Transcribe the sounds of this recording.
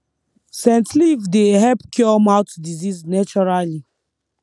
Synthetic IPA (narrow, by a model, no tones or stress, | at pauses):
sɛ̃ntlivdeɦɛpkʰɔmaʊtdiziznɛt͡ʃɔɹali